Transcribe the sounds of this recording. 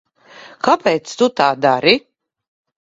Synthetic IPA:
kapɛːt̪st̪ut̪aːd̪aɾi

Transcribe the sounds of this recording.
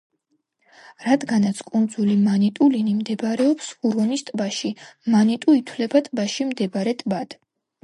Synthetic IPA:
ɾad̪ɡanat̪sʰkʼund̪zulimanit̪ʼulinimd̪ɛbɾɛɔpsuɾɔnist̪ʼbaʃimanit̪ʼuit̪ʰwlɛbat̪ʼbaʃimd̪ɛbɾɛt̪ʼbad̪̥

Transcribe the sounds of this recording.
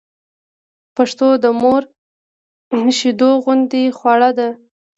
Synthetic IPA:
paʂt̪od̪əmoɾ | ʃid̪oɣʊnd̪exwɑɽad̪a

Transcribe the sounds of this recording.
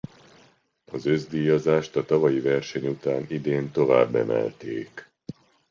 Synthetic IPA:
ɒzø̞zd̪iːjɒzaːʃt̪ɒt̪ɒvɒjivɛrʃɛɲut̪aːnid̪eːnt̪o̞va̰ːbːɛ̰mɛ̰lt̪ḛːk

